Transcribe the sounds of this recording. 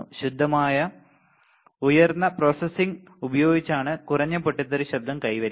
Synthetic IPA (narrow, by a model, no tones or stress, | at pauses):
ɕud̪ʱːɐmaːjɐ | ujɐrnːɐpro̞ːsesiŋ | ubɐjo̞ːɡit͡ɕːaːɳɨkurɐɲːɐpːoʈːit̪ːɐɾuɕɐbd̪ːɐmkɐjʋɐɾ